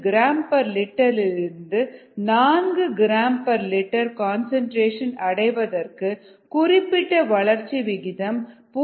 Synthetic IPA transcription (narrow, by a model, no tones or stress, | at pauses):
ɡɪɾaːmpɐɾlɪʈːɐlɪɾɯnd̪ɯnaːnɡɯɡɪɾaːmpɐɾlɪʈːɐɾkaːnsɐɳʈɾeːʂɐnɐɽɐɪʋɐðɐrkɯ | kʊrɪpːɪʈːɐʋɐɭɐɾt͡ʃːiʋɪɣɪðɐmpuː